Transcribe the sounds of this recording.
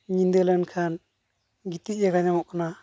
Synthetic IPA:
ɲind̪ɛlankʰan | ɡit̪ijaɡaɲamɔʔkʰɔna

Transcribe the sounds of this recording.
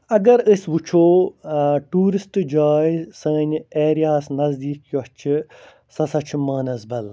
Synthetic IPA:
ɐɡɐɾəsʲʋut͡ʃʰoː | ʈuːɾisʈd͡ʒaːjsɐːnʲeːɾijaːsnɐzd̪iːkjɔt͡ʃʰi | sɐsɐt͡ʃʰmɐːnɐzbɐl

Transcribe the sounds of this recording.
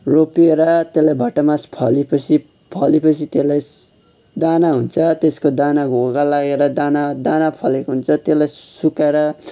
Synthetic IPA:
ropieɾʌt̪elajbʱʌʈʌmaspʰʌlipʌt͡sʰi | pʰʌlipʌt͡sʰit̪elaj | d̪anaɦunt͡sʰʌt̪eskod̪anaɡʱoɡalaɡeɾʌd̪anad̪anapʰʌlekoɦunt͡sʰʌt̪elajsukaɾʌ

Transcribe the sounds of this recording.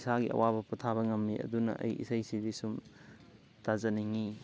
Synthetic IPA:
saɡiʔɐ̰wabɐputʰaβɐŋɐmːiɐ̰dunɐ̰ʔɐ̰jʔḭsɐjsibisum | tazɐniŋi

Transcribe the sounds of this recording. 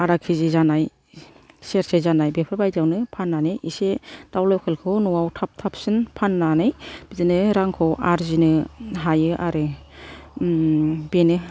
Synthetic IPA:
aɾakʰizizanaj | seɾsezanajbepʰɾaɾbajdawnɯpʰanːanɯjʔised̥awlɔwkʰɯlkʰɯwnuwawtʰap̚tʰap̚sɯnpʰanːanɯjb̥izinɯɾaŋkʰɔwʔaɾzinɯɦajɯʔaɾɯ | benɯ

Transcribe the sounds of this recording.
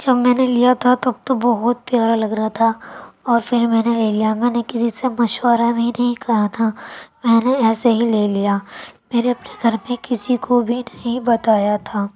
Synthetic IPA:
d͡ʒɐbmɛ̃ːnelijat̪ʰat̪ɐb̚t̪obɐɦʊt̪̚pjaːɾalɐɡɾɐt̪ʰaɔːɾfɪɾmɛ̃ːneleːlijamɛ̃ːnekɪsisemɐʃwəɾabʱinɐɦĩkɐɾat̪ʰamɛ̃ːneɛːsaɦileːlijaːmeːɾeɐpneɡʱɐɾmẽkɪsikobʱinɐɦĩbɐt̪aːjat̪ʰaː

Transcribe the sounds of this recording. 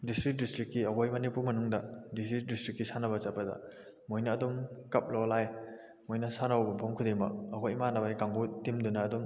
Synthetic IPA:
distɾik̚distɾikːiɐɦojmɐnipuɾmɐnuŋdɐdistɾik̚distɾikːisanɐbɐt͡ʃapːɐdɐ̰ | mojnɐːdɔmkɐp̚lɔlaj | mojnɐsanawbɐpʰoŋkʰudemɐ̰k̚ɐkojmanɐbajkaŋbutimdunɐːdɔm

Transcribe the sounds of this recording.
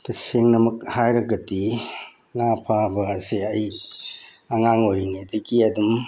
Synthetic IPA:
tɐseŋnɐmɐk̚hajɾɐɡɐti | ŋapʰabɐːseɐj | ɐŋaŋoɾiŋidɐɡiɐdum

